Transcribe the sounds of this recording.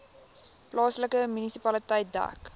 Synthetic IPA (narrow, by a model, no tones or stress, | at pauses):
plɑːsləkəmynisipɐlitəjt̚dæ̰k